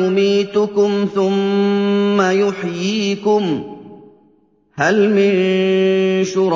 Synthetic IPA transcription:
ʊmiːt̪ʊkʊmθʊmː | ajʊħjiːkʊm | halmɪn | ʃʊɾ

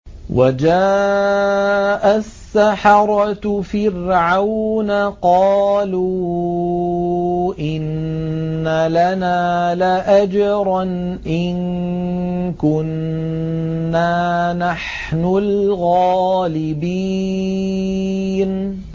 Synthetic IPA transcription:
wʔa̰d͡ʒaː | ʔasːaħɑɾˤɑtfɪrʕawnaqɑːluː | ʔɪnː | alanaːlaʔad͡ʒɾˤɑn | ʔɪn | kʊn | aːnaħ | nʊlɣaːlɪbi | n

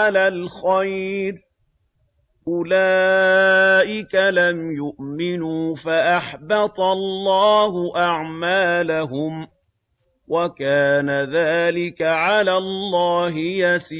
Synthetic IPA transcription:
alalxajɾ | ʔʊlaː | ʔɪkalamjʊʔmɪnuːfaʔaħbɑt̪ˤɑlˤːɑːɦʊʔaʕmaːlaɦʊm | wakaːnaðaːlɪkaʕalaːlˤːɑːɦɪjasiː

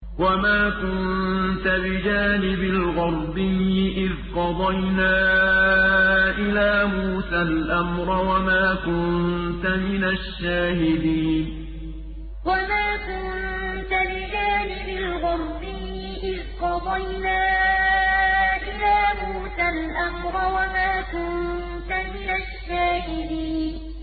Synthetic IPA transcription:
wamaːkʊnnt̪abɪd͡ʒaːnɪbɪlɣʊɾˤbɪjːɪʔɪðqɑd̪ˤɑjnaː | ʔɪlaːmuːsalʔamɾɑwamaːkʊnt̪amɪnaʃːaːhɪd̪iːn | wamaːkʊnt̪alɪd͡ʒaːnɪbɪlɣʊɾˤbɪ | ʔɪðqɑd̪ˤɑjnaː | ʔɪlaːmuːsalʔamɾˤɑwamaːkʊn | t̪amɪnaʃːaːhɪd̪iːn

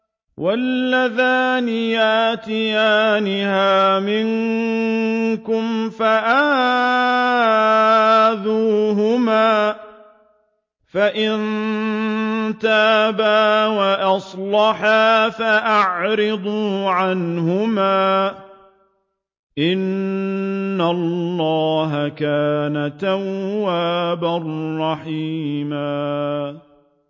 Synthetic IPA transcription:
wʔalːaðaːnɪjaːt̪ɪjaːnɪhaːmɪŋ | kʊmfaʔah | ðuːɦʊmaː | faʔɪn | t̪aːbaːwaʔɑsˤlɑħaːfaʔaʕɾɪd̪ˤuːʕanɦʊmaː | ʔɪnː | alːɑːɦakaːnat̪awːaːbarˤːɑħiːmaː

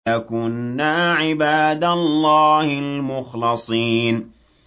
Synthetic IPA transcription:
akʊnːaːʕɪbaːd̪alˤːaːhɪlmʊxlɑsˤiːn

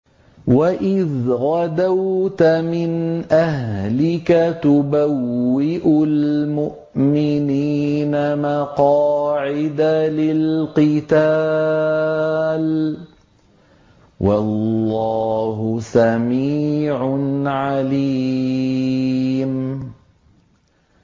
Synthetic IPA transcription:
waʔɪðɣad̪awt̪amɪnʔahlɪkat̪ʊbawːɪʔʊlmʊʔmɪniːnamaqɑːʕɪd̪alɪlqɨt̪a | l | wʔɑlːɑːɦʊsamiːʕʊnʕaliː | m

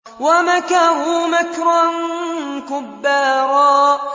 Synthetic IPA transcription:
wamakahʊmakɾankʊbːaːɾˤɑːʔ

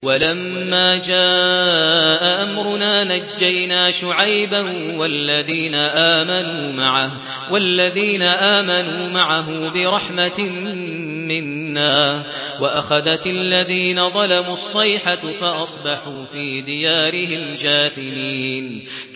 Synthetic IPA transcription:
walamːaːd͡ʒaː | ʔaʔamɾʊnaːnad͡ʒːajnaːʃʊʕajbanwalːaðiːnaʔaːmanuːmaʕah | walːaðiːnaʔaːmanuːmaʕaɦʊmbɪɾˤɑħmat̪ | mɪnːaːh | waʔaxaðat̪alːaðiːnaðˤɑlamuːɑsˤːɑjħafaʔɑsˤbɑħuːfiːd̪ɪjaːɾɪɦɪmd͡ʒaːθɪmiːn

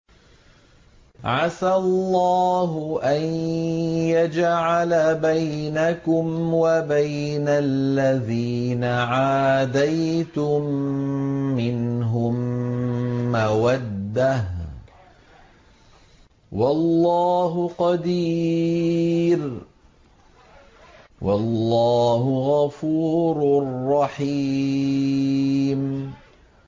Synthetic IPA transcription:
ʕasallːɑːɦʊʔan | jad͡ʒʕalabajnakʊmwabaj | nallːaðiː | naʕaːd̪ajt̪ʊmː | ɪnɦʊmː | awad̪ːah | wɑlːɑːɦʊqɑd̪iː | ɾ | wʔalːɑːɦʊɣafuːɾrːɑħii | m

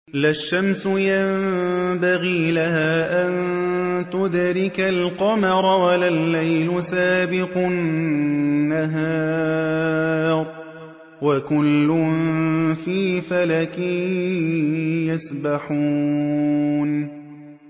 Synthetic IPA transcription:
laʃːamsʊjambaɣiːlahaːʔant̪ʊd̪ɾɪkalqɑmɑɾˤɑwalalːajlʊsaːbɪqʊnː | aɦaː | ɾˤ | wakʊlːʊmfiːfalakɪ | jasbaħuː | n

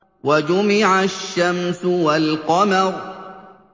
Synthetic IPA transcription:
wad͡ʒʊmɪʕaʃːamsʊwalqɑmɑɾ

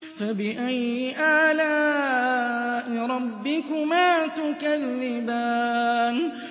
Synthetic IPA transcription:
fabɪʔajɪʔaːlaː | nɪɾˤɑbːɪkʊmaːt̪ʊkaðːɪbaːn

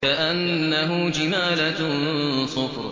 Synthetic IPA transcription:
aʔanːaɦʊd͡ʒɪmaːlatʊnsˤʊfɾ

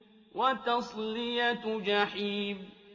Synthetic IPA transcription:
wat̪ɑsˤlɪjat̪d͡ʒaħiːb

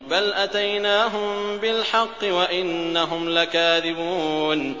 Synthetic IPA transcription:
balʔat̪ajnaːɦʊmbɪlħɑqːɨwaʔɪnːaɦʊmlakaːðɪbuːn

